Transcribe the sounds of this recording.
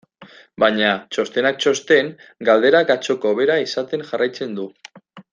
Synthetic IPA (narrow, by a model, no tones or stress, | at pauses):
baɲat͡ʃo̞st̪e̞nak̚t͡ʃo̞st̪e̞ŋɡald̪e̞ɾakat͡ʃo̞ko̞βe̞ɾaisat̪e̞ŋʝarajt͡se̞nd̪u